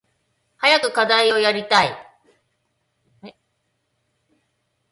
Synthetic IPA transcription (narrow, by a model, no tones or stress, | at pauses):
hajakɯ̟kad̪aio̞jaɾʲit̪ai